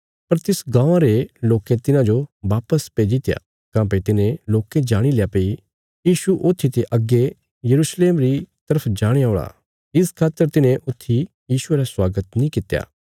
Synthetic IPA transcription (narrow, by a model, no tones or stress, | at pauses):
pɐɾt̪ɪsɡãːãɾeloːkẽt̪ɪnãd͡ʒoʋaːpəspeːd͡ʒit̪ja̰ | kãːp̬et̪ɪnẽloːkẽd͡ʒaːɽ̃ilejapɐi | jiːʃuʔot̪ʰːit̪eʔɐɡːe | jɐɾuːsleːmɾit̪ɐɾəpʰd͡ʒaːɽ̃ejaoːɭa̰ | ɪskʰaːt̪ːəɾt̪ɪnẽʔʊt̪ʰːi | jiːʃʊeːɾaswaːɡət̪nĩkɪt̪ja̰ː